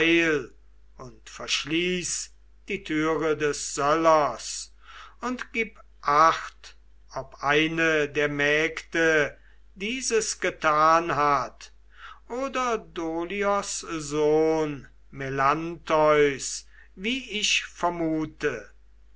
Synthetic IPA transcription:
ɪl | ʊntfɛɐʃliːs | d̥iːtʰyːʁədɛsz̥ɔlɐs | ʊntɡ̥iːp | ʔaxt | ʔɔpʔaɪnədeːɐmɛːktə | diːzəsɡ̥ətʰaːnɦat | ʔoːdɐdoːliɔszoːn | mɛlantɔʏs | viːɪʃfɛɐmuːtə

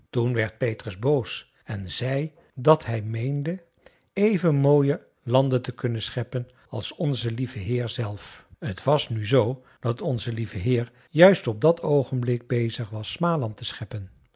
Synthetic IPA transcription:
tunʋɛɹt̚pejtrəzbows | ɛnzɛj | dɑtɦɛjmejndə | ejvənmoːjə | lɑndətəkɵnənsχɛpən | ɑlˠsɔnzəlivəɦɪːɹzɛlˠfətʋɑsnyzow | d̥ɑtɔnzəlivəɦɪːɹ | jœɥstɔb̚dɑtʰowχənblɪɡ̚bejzəχʋɑsːmaːlɑntəsχɛpən

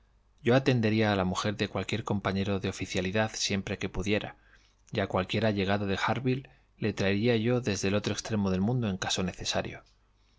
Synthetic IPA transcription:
ɟ͡ʝo̞at̪e̞nd̪e̞ɾiaːlamuxe̞ɾðe̞kwalkje̞ɾko̞mpaɲe̞ɾo̞ðeo̞fiθjaliðaðsje̞mpɾe̞ke̞puðje̞ɾa̰ | jakwalkje̞ɾaʎe̞ɣ̞aðoðe̞xaɾβilː | e̞t̪ɾaeɾiaʝo̞ðe̞zðelo̞t̪ɾoe̞kst̪ɾe̞mo̞ð̞e̞lmũnd̪o̞e̞ŋkaso̞ne̞θe̞sa̰ɾjo̞̰

